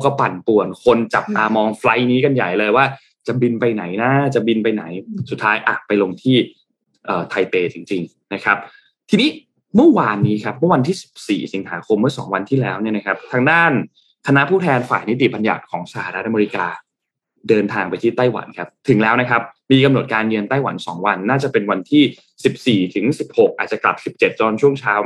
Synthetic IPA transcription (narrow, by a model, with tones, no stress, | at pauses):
ka˧pa˨˩npu˨˩ənkʰo˧nt͡ɕa˨˩p̚ʔaː˧mɔː˧ŋfla˧jniː˦˥ka˧nja̰˨˩jlɤː˧jwaː˥˩ | t͡ɕa˨˩bi˧npa˧jna˩˦jna˦˥t͡ɕa˨˩bi˧npa˧jna̰˩˦jsu˨˩t̪ʰːaː˦˥jʔa̰ː˨˩k̚pa˧jlo˧ŋt̪ʰiː˥˩ | ʔəː˨˩t̪ʰa˧jpeː˧t͡ɕi˧ŋt͡ɕi˧ŋ | na˦˥kʰa˦˥p̚ | t̪ʰiː˧niː˦˥ | mɯ˥˩waː˧nːiː˦˥kʰa˦˥p̚mɯ˥˩˨wa˧nt̪ʰiː˥˩si̥˨˩p̚sḭː˨˩si˩˦nɦa̰ː˩˦kʰo˧mːɯ˥˩ɐsɔ̰ː˩˦ŋwa˧nt̪ʰiː˥˩lɛː˦˥wni˥˩ɐna˦˥kʰa˦˥p̚t̪ʰaː˧ŋdaː˥˩n | kʰa˧na˦˥ʔpʰuː˥˩t̪ʰɛː˧nfaː˨˩jni˦˥t̪̬i˨˩ba˧nja̰˨˩kʰɔ̰ː˩˦ŋsa˧ha̰ː˨˩ɾa˦˥t̪̚ʔa˧me˧ɾi˦˥kaː˧ | dɤː˧nt̪ʰaː˧ŋpa˧jt̪ʰiː˥˩t̪a˥˩jwa̰˩˦nkʰa˦˥p̚t̪ʰɯ˨˩˦ŋlɛː˦˥wna˦˥kʰa˦˥p̚miː˧ka˧mno˨˩t̪̚kaː˧njɯ˧ənt̪a˥˩jwa̰˩˦nsɔː˩˦ŋwa˧nːaː˥˩t͡ɕa˨˩pe˧nwa˧nt̪ʰiː˥˩ | si˨˩p̚siː˨˩t̪ʰɯ˩˦ŋsi˨˩p̚ho˨˩k̚ʔaː˨˩t̪̚t͡ɕa˨˩kla˨˩p̚si˨˩p̚t͡ɕe˨˩t̪̚t͡ɕɔː˧nt͡ɕʰu˥˩əŋt͡ɕʰaː˦˥w